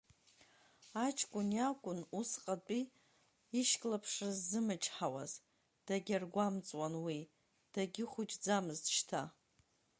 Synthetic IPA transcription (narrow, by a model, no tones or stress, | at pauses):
at͡ʃʰkʷʼʊnjakʷʼʊnusqʼat͡pʷʼiː | ʃkʲʼlapʰʂɨzːɨmɨt͡ʃʰʼħawa̰z̥ | d̥aɡʲarɡʷamt͡sʼwanwi | d̥aɡʲɪχʷʊd͡ʒʼd͡zamɨztʃtʰa